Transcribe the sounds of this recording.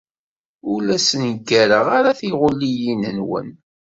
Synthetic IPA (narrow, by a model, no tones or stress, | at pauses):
ulæsənɡːæɾəʁaɾaθiʁʊlːijinənwə̰n